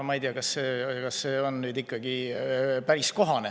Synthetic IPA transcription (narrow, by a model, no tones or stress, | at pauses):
mɑijt̪iɑkɑsːe̞ːkɑsːe̞ːo̞nnyːd̪ikːˑɑɡ̥ipæɾisko̞ɦɑne